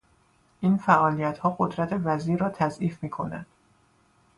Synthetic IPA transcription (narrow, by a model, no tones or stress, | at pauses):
ʔiːnfæʔɒːlijæt̪hɒːɢod̪ɾæt̪ʰe̞væziːɾɒːt̪ʰæzʔiːfmiːkʰo̞næ̰nd̪̥